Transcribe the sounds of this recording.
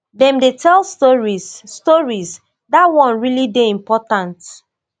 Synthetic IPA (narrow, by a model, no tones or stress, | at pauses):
dɛ̃mdetʰɛlstɔɹizːtɔɹiz | datwɔ̃nɹilideĩmpɔtãnt